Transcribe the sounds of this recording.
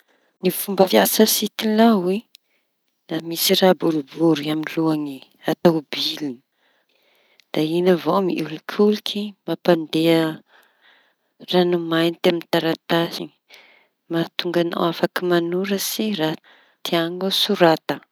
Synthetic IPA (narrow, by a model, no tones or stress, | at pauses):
nifumbəfjasəsit̪ilawi | namisirabuɾubuɾiaminluaŋi | at̪awbilin | d̪̥ainəvomiilukʲʰulukʰimapand̪eə | ranumajnit̪eamint̪aɾat̪asiŋi̥ | mat̪uŋɡana̰wafakimanuɾəsiɾa | t̪iaŋasuɾat̪ə